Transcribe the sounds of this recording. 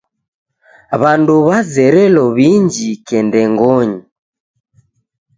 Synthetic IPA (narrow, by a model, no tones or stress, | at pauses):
βanduβazɛɾɛlɔβiɲd͡ʒikɛndɛŋɡɔɲi